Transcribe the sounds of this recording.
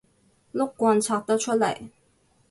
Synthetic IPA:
lʊ˥k̚kʷːwɑ˧nt͡sʰɑ˨˧˩t̪ə˥t͡ʃʰə˥lɐ̰˨˩˦j

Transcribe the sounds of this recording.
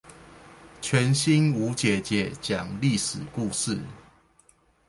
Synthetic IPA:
t͡ɕʰɥɛ˨˦nɕi˦nu˨˦t͡ɕjɛ˨˩˦t͡ɕjɛ˨˦t͡ɕja˨˩ŋli˥˨ʂɻ̩˨˩ku˥˨ʂɻ̩˥˨

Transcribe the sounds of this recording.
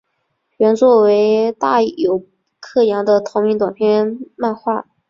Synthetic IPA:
ɥɛ˧˥nt͡swɔ˥˩we˧˥ɪt̪a˥˩jo˨˩ʊ | kʰɤ˥˩jɑ˧˥ŋd̪ə˧t̪ʰo˧˥ŋmi˧˥nt̪wa˨˩npʰjɛ˥˧ma˥˧nxwa̰˥˩

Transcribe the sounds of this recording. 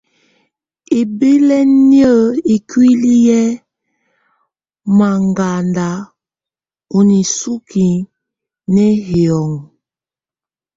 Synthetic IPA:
e˨be˦lɛ˦n˦ə˦˨i˨kwi˦li˦jɛ˦ | ma˨ŋɡa˨nda˨˦ | u˨ni˨su˦ki˨ | nɛ˦hjɔ˨ŋ

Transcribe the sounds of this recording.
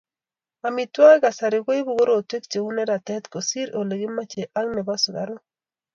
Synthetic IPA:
a˨mi˨twa˦ɡa˨sa˨ɾɪ˨ɡo˦i˦bu˦ɡo˦ɾo˦˨twe˦k̚t͡ʃe˨u˦ne˦ɾa˨tɛ˦t̪ko˨si˦ɾo˨le˨ɡɪ˦ma˦t͡ʃe˨ʔa˦ŋnɛ˨ba˦so˨ɡa̰˨ɾo˦

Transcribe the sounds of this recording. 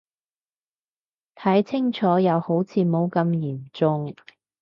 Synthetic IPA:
t̪ʰɐ˨˥jt͡sʰɪ˥ŋt͡ʃʰɔː˨˥jɐ˨˧who˨˥wt͡sʰiː˨˧mo˨˧wkɐ˧mjiː˨˩mt͡sʊ˧ŋ

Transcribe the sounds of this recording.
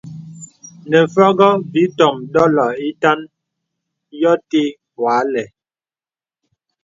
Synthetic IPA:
nɛ˨fɔ˦ɡɔ˦vi˨˦tɔ˨mɗɔ˦lɔ˨i˦ta˦n | jɔ˦te˦ | wa˨˦lɛ˨

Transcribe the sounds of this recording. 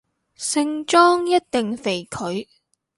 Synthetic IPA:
sɪ˧˥ŋt͡ʃɔː˥ŋjɐ˥t̚t̪e˨ŋfe˨˩jkʰɵ˨˥ɥ

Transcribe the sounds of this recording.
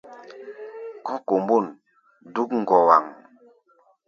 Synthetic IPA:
kɔ˦ko˨mbo˦˨n | du˦kŋ̩˨ɡɔ˨wa˨ŋ

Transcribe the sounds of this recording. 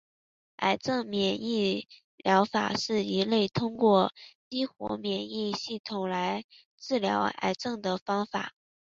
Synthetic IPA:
a̰˨˩ɪʈ͡ʂɤ˥˩ŋmjɛ˨˩ni˥˩ | ljɑ˧˥ʊfa̰˨˩ʂɻ̩˥˩i˧˥le˥˩ɪt̪ʰʊ˥ŋkwɔ˥˩t͡ɕi˥xwɔ̰˧˥mjɛ˨˩ni˥˧ɕi˥˩t̪ʰʊ˨˩ŋla˧˥ɪ | ʈ͡ʂɻ̩˥˩ljɑ̰˧˥ʊa̰˨˩ɪʈ͡ʂɤ˥˩ŋd̪ə˩fɑ˥ŋfa̰˨˩˦

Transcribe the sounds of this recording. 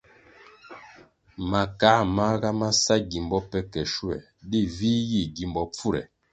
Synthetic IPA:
ma˨ka˨˦ma˦ɣa˦ma˦sa˦ɡi˨mbɔ˦pɛ˦kɛ˨ʃu˦ɛ̰˨ | di˦˨viː˦ji˦˨ɡi˨mbɔ˨p͡fu˦ɾɛ̰˨

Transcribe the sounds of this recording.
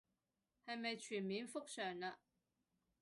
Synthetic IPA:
hɐ˨jmɐ˨jt͡ʃʰyː˨˩nmiː˨˥nfʊ˥k̚sœː˨˩ŋɐ˧

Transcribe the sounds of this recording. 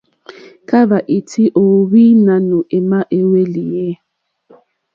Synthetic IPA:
ka˦βa˨ʔi˨tʰi˦ʔo˨βi˦na˨nu˨ʔɛ˨ma˦ʔe˦we˦li˨jɛ˦

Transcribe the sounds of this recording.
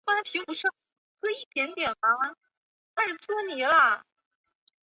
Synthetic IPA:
wa˥np̪ʰi˧˥ŋpu˧˥ʂɑ˥˩ | kɤ˥i˥˩t̪jɛ˧˥nt̪jɛ˨˩nfa˧˥wa˥n | na˥˩ʂ̩˥˩t͡sɔ˥˩ni˨˩˦lə˥˩

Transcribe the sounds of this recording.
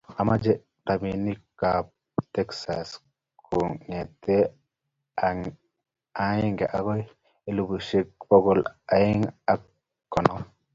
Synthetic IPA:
a˨ma˦d͡ʒɛ˦ | ta˨mi˨ni˦kap | tɛ˦ksa̰s | kʰo˨ŋɛ˨t̪e˦ | a˨ji˦ŋɡɛ˨ʔa˦ɡɔ˦j | e˨lu˦bu˨ʃe˦k̚bɔ˦ɡɔ˨la˨i˦ŋa˨ | kːɔ˨nɔ˨

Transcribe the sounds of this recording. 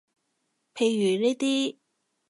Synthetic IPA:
pʰe˨˧jːyː˨˩neː˥t̪iː˥

